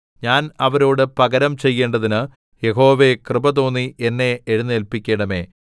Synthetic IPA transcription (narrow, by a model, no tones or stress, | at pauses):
ɲaːnɐʋɐɾo̞ːɽɨpɐɡɐɾɐmt͡ɕe̞jːe̞ːɳɖɐðinɨ | je̞ɦo̞ːʋe̞krɨbɐt̪o̞ːnːiʔenːe̞ːɻunːɨelpikʲːe̞ːɳɐme̞̰ː